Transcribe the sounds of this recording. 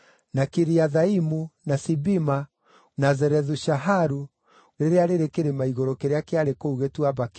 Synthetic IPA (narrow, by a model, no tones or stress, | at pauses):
nakiɾiaðaimunasibima | nazɛɾɛðuʃaɦaɾu | ɾeɾeaɾeɾekeɾemaiɣɔɾɔkeɾeakeaɾekouɣetuaβak